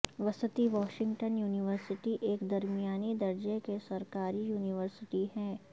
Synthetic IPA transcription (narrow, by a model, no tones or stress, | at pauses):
ʋɐsət̪iʋɔːʃɪ̃ŋɡʈənjuːnɪʋəɾsɪʈiʔeːkd̪ɐɾmijaːnid̪ɐɾd͡ʒekesɐɾkaːɾijuːnɪʋəɾsɪʈiɦɛ̃ː